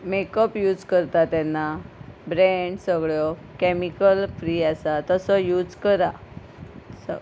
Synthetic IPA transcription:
mekəpjuːd͡zkəɾt̪at̪ɛnːabɾɛɳɖsəɡɭjɔ | kɛmikəlfɾiːasat̪əsɔjuːd͡zkəɾa | sə̰

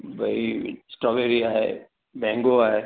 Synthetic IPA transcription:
bʱɐisʈɾɔbeɾiaɦɛ̰ | bɛ̃ːŋɡoaɦɛ

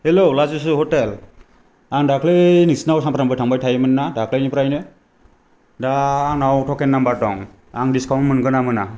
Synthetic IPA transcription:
helolazusɯɦotel | aŋdakʰlɯnisnawsampʰɾambajtʰaŋbajtʰajmɯnːadakʰlajnipɾajnɯ | danawtʰɔkɛnːambatɔŋ | aŋdiskawnmɯnɡɯnamɯna

